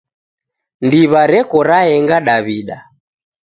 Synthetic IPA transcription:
ndiβaɾɛkɔɾaɛŋɡaɗaβiɗa

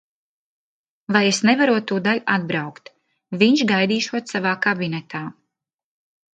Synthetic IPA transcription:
vajesnɛvaɾuɔt̪ːuːd̪aʎad̪̚bɾawkt̪ | viɲʃɡajd̪iːʃuɔt̪savaːkabinɛt̪ʰaː

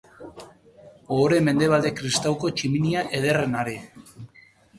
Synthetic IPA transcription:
oɾe̞me̞nd̪e̞β̞ald̪ekɾist̪awko̞t͡ʃiminiaʔe̞ð̞erenaɾe

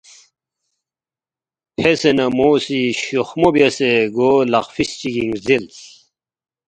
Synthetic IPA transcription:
pʰesenɐmoːsiɕuxmobjɐseɡolɐ̰χfist͡ɕiɡiŋzilt͡s

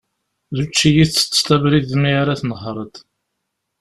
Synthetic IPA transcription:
ðut͡ʃːijiθə̥t͡sːt̪ævɾiðmiaɾaθnəhɾˤət̪

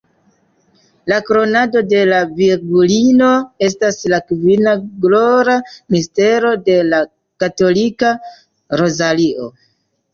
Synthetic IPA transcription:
lakɾo̞nado̞de̞laviɾɡulino̞e̞s̬taslakvinaɡloɾamiste̞ɾo̞de̞la | kato̞lika | ɾo̞zaliʔo̞̰

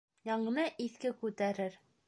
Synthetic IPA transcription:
jɑɴɤ̆nɤʔiθkɘkʉt̪æɾɘɾ

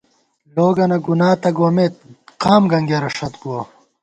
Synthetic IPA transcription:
loːɡɐnɐɡunaːt̪ɐɡwomeːt̪̚qaːmɡɐŋɡeɾɐʂɐt̪̚buwɐ

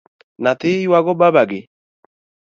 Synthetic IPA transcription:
nat̪ɪjwaɡɔbabaɡɪ

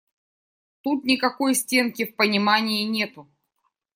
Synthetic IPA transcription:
t̪ut̪nʲɪkɐko̞jsʲtʲe̞nkʲɪfpənʲɪmanʲɪɪnʲe̞t̪ʊ

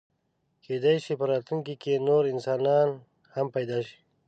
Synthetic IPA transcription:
kʰed̪ajʃipəɾɑːt̪luŋkikenoɾɪnsɑːnɑn | hampajd̪ɑːʃi̥

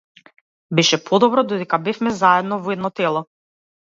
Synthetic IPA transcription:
bɛʃɛpʰɔd̪ɔbɾɔd̪ɔd̪ɛkabɛfmɛzaɛd̪nɔvɔɛd̪nɔt̪ɛlˠɔ

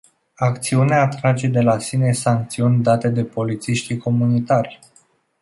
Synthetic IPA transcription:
akt̪siuneaːt̪ɾad͡ʒe̞d̪e̞lasine̞saŋk̚t̪siunʲd̪at̪e̞d̪e̞po̞lit̪siʃt̪iko̞munit̪arʲ

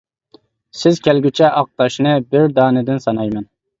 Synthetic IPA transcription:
sɪzkʲʰɛlɡʲyt͡ʃʰɛʔɑq̚t̪ɑʃnɨbɪɾd̪ɑːnɨd̪ɪnsɑnɑjmɛn

